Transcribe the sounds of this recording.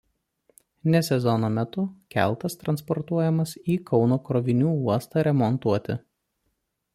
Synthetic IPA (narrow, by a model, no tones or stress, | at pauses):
nʲɛsʲɛzɔnoːmʲɛt̪ʊkʲæ̰ˑlˠt̪ɐst̪ɾɐnspɔɾt̪uɔjɛmɐsiːkʰɒʊnoːkɾɔʋʲɪnʲuːuɔst̪ɑːɾʲɛmɔnt̪uɔt̪ʲɪ̰